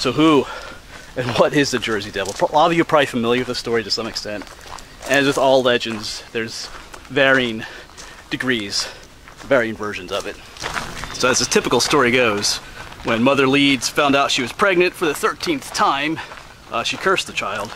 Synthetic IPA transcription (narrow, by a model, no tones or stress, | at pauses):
soʊɦu | ɨ̃nwʌɾɪzðɨd͡ʒɜ˞zidɛvl̩ˠpʰɑbjɨpʰɹ̥aifɨmɪlˠjə˞wɨðɨstɔɹiɾɨsʌ̃mɨkstɛ̃nt | ɨ̃nwɨðɔlˠlɛd͡ʒɨ̃ndz̥ðə˞zvɛɹiɪ̃ŋ | d̥ɨɡɹiz̥ | vɛɹiɪ̃ŋvɜ˞ʒɨ̃n̩zʌvɨt̚ | soʊɨzɨtʰɪpəkl̩ˠstɔɹiɡoʊz̥wɨ̃nmʌðə˞lidz̥fãʊ̃ndaʊtʃiwʌz̥pʰɹ̥ɛɡ̚nɨ̃ntfə˞ðɨθɜ˞tʰĩnθtʰãɪ̃m | ʃikʰɜ˞sðɨt͡ʃʰaɪlˠd̥